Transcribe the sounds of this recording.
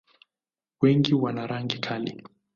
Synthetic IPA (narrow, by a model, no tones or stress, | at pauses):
wɛŋɡiwanaɾaŋɡikʰalḭ